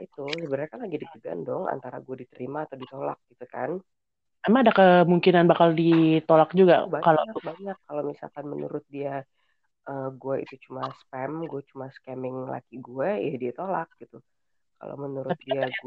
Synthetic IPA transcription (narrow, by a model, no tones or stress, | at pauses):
it̪usəbənarkanlaɡidikəɡa̰ndɔŋa̰nt̪aɾa̰ɡuɛdit̪əɾimaːt̪awdit̪ola̰k̚ɡ̥it̪uka̰n | amaadakəmuŋkinanbakaldit̪olak̚d͡ʒuɡa̰bakaloabaɲakːalowmisa̰lkanmənṵɾʊt̪̚dia | ʔəɡuɛḭt̪ut͡ʃumaspɛmɡuɛt͡ʃumaskɛmɪŋla̰kiɡuɛjadiat̪olak̚ɡ̥it̪u | ka̰lo̰mənuɾʊt̪̚diaɡu